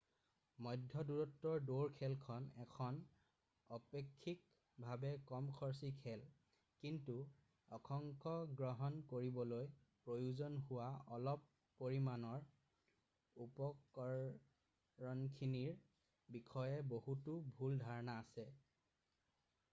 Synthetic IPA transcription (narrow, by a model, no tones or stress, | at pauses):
mɔjdʱjɔduɹɔtːɔɹdoɹkʰɛlkʰɔnɛkʰɔn | ɔpekʰːik̚ | bʱabɛkɔmkʰɔɹs̬ikʰɛl | kintu | ɔkʰɔŋkʰɔɡɹɔɦɔnkoɹibɔloj | pɹojuzɔnhʊwaɔlɔpː | oɹimanɔɹ | upɔkɔ | ɔnkʰiniɹ | bikʰɔjɛbohutubʱuldʱaɹɔnaːsɛ